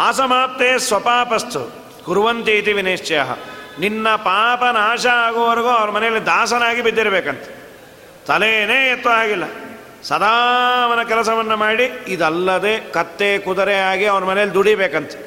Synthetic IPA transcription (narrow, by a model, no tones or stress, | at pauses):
aːsɐmaːp̚t̪eːsʋɐpaːpɐst̪u | ɡuɾʋɐnt̪iːt̪iʋineːʂt͡ʃɐjaɦɐ̰ninːɐpaːpɐnaːʃɐaːɡoʋɐɾɐɡoːɐʋɐɾɐmɐnɛjɐlːid̪aːsɐnaːɡibid̪ːiɾɐbeːkɐnt̪e̥ | t̪ɐleːneːet̪ːuaːɡilːɐ | sɐd̪aːʋɐnɐkɛlɐsɐʋɐnːɐmaːɽiid̪ɐlːɐd̪eːkɐt̪ːeːkud̪ɐɾɛaːɡiɐʋɐɾɐmɐnɛjɐlːid̪uɽibeːkɐnt̪e̥